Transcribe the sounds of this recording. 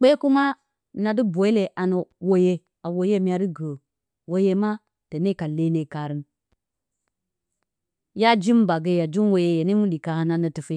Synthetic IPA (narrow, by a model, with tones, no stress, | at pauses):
k͡pe˦ku˦ma˦ | na˨di˦bo˨i˦le˨ʔa˨no˨wo˨je˦ | a˨wo˨je˦mʲ˦a˨ɾi˦ɡo˨ | wo˦je˦ma˦ | te˨ne˦ka˨le˦ne˨ka˨ɾi˦n | ja˦d͡ʒi˦m˦ba˨ɡe˦ja˨d͡ʒu˦nwo˨je˦je˨ni˦mu˦li˨ka˨ha˨na˨nə˨ti˨fi˦